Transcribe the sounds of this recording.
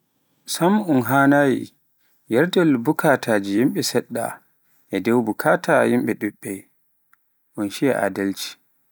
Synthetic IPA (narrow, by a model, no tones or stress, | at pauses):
samunɦaːnaːjḭ | jɛɾdɛlbukʰatʰaːd͡ʒijimɓɛsɛɗːa̰ | ʔɛdɛwbukʰatʰajimɓɛɗuɓːɛ | ʔunʃija̰ʔa̰dalt͡ʃi̥